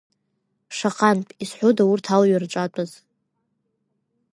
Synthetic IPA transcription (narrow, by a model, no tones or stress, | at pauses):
ʂaqʼanpʼisħʷodaurtʰalɥarʈ͡ʂʷʼatʷʼɨz